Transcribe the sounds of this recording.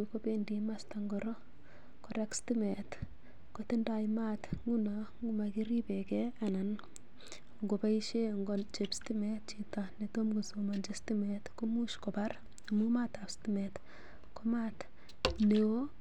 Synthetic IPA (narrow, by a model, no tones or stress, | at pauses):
kopendimastaŋɡɔɾo | koɾekstimet | kotindajmatŋunɔŋɡumakiɾipɛkɛanan | ŋɡopaiʃeŋɡot͡ʃepstimɛt̚t͡ʃitanetomɡusomand͡ʒestimɛtkomuʃkɔbar | amumatastimɛt | komat | lewo